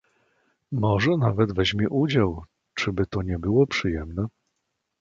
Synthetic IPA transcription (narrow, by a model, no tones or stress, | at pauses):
mɔʐɛnavɛd̪vɛʑmʲjɛʔud͡ʑaw | t͡ʂɘbɘt̪ɔɲɛbɘwɔpʂɘjɛmnɛ